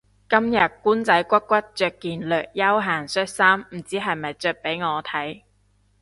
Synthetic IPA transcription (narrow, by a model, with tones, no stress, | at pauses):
kɐ˥mjɐ˨t̚kuː˥nt͡sɐ˨˥jkʷɐ˥t̚kːʷɐ˥t̚t͡ʃœː˧kːiː˨nlœː˨k̚jɐ˥wɦaː˨˩ŋsœː˥t̚saː˥mm̩˨˩t͡siː˨˥ɦɐ˨jmɐ˨jt͡sœː˧k̚pe˨˥jŋɔː˨˧t̪ʰɐ˨˥j